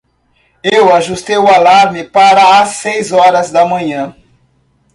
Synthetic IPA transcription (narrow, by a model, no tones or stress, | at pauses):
ewaʒust̪ejʊalaɾmɪpaɾɐːsːejzɔɾɐzd̪ɐmɐ̃ɲɐ̃